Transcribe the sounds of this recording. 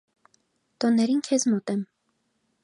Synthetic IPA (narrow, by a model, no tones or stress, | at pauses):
t̪ɔnːɛɾinkʰɛzmɔt̪ɛm